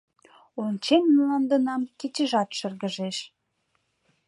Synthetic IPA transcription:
onʲt͡ɕemmlɑnd̪ə̆nɑmket͡ɕəʒɑt̪ʃərɣəʒeʃ

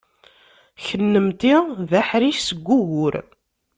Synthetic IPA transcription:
çənːəmt̪iðæħɾiʃsəɡʷːʊʝʊɾ

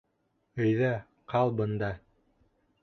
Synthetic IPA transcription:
ɵ̆jðæ | qʰɑlˠbɤ̆nd̪ɑ

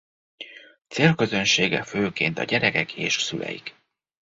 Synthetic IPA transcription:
t̪seːlkø̞zø̞nʃeːɡɛføːkeːnt̪ɒ̰ɟɛɾɛkɛkʰḛːʃsylʔɛ̰jḭk

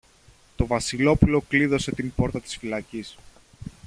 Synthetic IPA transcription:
t̪o̞vɐsilo̞pulo̞kliðo̞se̞t̪imbo̞ɾt̪ɐt̪i̥sfilɐcis

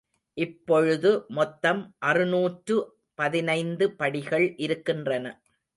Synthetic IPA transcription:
ʔɪpːɔɻɯðɯmɔt̪ːɐmʔɐrɯnuːʈrɯ | pɐðɪnɐɪnd̪ɯpɐɽɪɣɐɭʔɪɾɯkːɪndrɐnɐ

